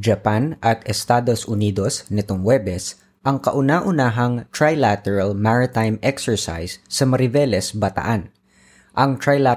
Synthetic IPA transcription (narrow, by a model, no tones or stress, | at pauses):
d͡ʒɐpanʔɐt̪ɛst̪aːd̪osʔʊniːd̪o̞snɪt̪oŋwɛbɛs | ʔɐŋkɐʔʊnaʔʊnaːɦɐŋt̪ɹajlat̪ɛɹɐlmaɹɪt̪ajmɛksɛɹsa̰jsːɐmɐɾɪvɛlɛsbɐt̪ɐ̰ʔan | ʔɐŋt̪ɹajla